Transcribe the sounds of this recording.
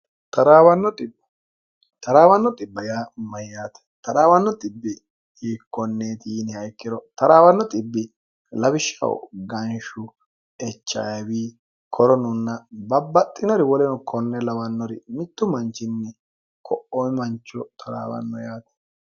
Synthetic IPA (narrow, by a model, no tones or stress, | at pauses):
t̪ɐɾaːwɐnːɔt̪ʼɪb | t̪ɐɾaːwɐnːɔt̪ʼɪbːɐjaːmɐjːaːt̪ɛ̥t̪ɐɾaːwɐnːɔt̪ʼɪbːɪ | hiːkːɔnːeːt̪iːnɛhɐjkːɪɾɔt̪ɐɾaːwɐnːɔt̪ʼɪbːɪ | lɐbɪʃːɐ̰w̰ɡɐnʃʊ | ɛt͡ʃːɐ̰jɐwiː | kʰɔɾɔnʊnːɐbɐbːɐt̪ʼːɪnɔɾɪwɔlɛnɔkʰɔnːɛlɐwɐnːɔɾɪ̰mɪt̪ːʊmɐnt͡ʃːɪnːɛ | kʰɔʔɔjmɐnt͡ʃːɔt̪ʰɐɾa̰ːwɐ̰nːɔjaːt̪ɛ̥